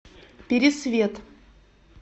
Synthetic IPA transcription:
pʲɪɾʲɪsvʲet̪

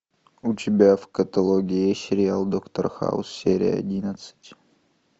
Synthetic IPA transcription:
utʲɪbʲavkɐt̪ɐlˠoɡʲɪesʲɪɾʲɪjalˠd̪okt̪orxa̰ʊ̰sːʲeɾʲɪ̰jɐ̰dʲinɐt̪sɨ̥tʲ

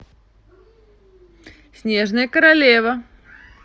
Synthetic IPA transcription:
sʲnʲe̞ʐnɨjəkəɾɐlʲevə

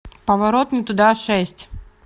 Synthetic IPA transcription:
pɐvɐɾot̪mɨt̪ʊd̪aʂɛsʲtʲ

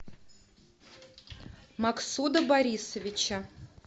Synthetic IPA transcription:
maksud̪əbaɾʲisəvʲɪt͡ɕə

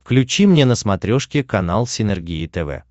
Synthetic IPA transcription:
fklʲʉt͡ɕimnʲenəsmɐt̪ɾʲoʂkʲɪkɐna̰lˠsʲɪnʲɛrɡʲiɪt̪ɛvɛ̰

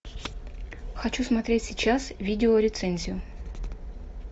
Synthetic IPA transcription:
xɐt͡ɕusmɐt̪ɾʲetʲsʲɪt͡ɕasvʲidʲɪolʲɪt̪sɛnʲzʲɪjʊ

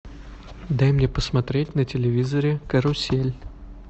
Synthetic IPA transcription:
d̪ajmnʲepəsmɐt̪ɾʲet̚ʲnətʲɪlʲɪvʲizəɾʲɪkəɾʊsʲelʲ

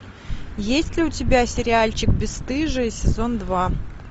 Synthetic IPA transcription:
jesʲtʲlʲɪʊtʲɪbʲasʲɪɾʲɪalʲt͡ɕɪk̚bʲɪst̪ɨʐɨɪsʲɪzo̞nd̪va

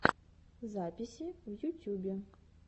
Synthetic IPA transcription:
zapʲisʲivjutʲʰjubʲe

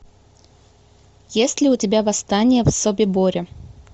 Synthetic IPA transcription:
jesʲtʲlʲɪʊtʲɪbʲavɐst̪anʲɪjəvsobʲɪboɾʲɪ

